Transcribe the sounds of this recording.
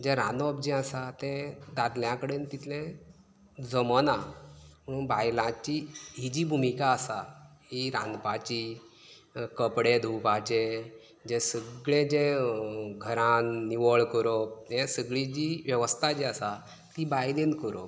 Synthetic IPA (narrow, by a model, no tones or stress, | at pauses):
d͡ʑɛɾãnɔb̚d͡ʑĩəsat̪ɛ̃d̪ad̪ljãkəɽeːnt̪it̪lẽ | d͡zəmənam̤əɽ̃uːnbajlãt͡ɕiɦid͡ʑiːbʱumikaəsaɦiɾã̰nd̪pat͡ɕi | kəpɽed̪ʱupat͡ɕe | d͡ʑẽsəɡɭẽd͡ʑẽ | ɡʱəɾãnːiʋəɭkəɾoẽsəɡɭid͡ʑiːʋjəʋəst̪ʰad͡ʑɛəsa | t̪ibajd̪enkəɾo̰